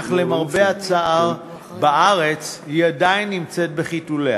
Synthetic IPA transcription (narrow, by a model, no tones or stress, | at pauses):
χle̞maʁbeat͡saʔaʁ | baʔaʁe̞t͡shiadajnːimt͡se̞t̚be̞χitule